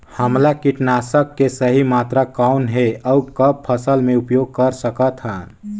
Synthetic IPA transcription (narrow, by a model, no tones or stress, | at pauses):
həmlakiʈnasəkːesəɦimat̪ɾakaʊnɦeʔɔukəb̚pʰəsəlmẽupjoɡ̚kəɾsəkət̪ɦə̃